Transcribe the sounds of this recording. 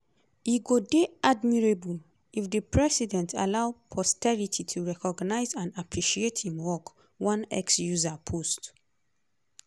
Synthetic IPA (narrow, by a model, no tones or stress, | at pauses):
iɡodeʔadmiɹebul | ifdəpʰɹɛsidɛ̃nta̰laʊpʰɔstɛɹitʰitʰuɹɛkɔɡnaɪzãnapʰɹiʃiethĩmwɔk | wɔ̃nɛ̰ksjuzapʰost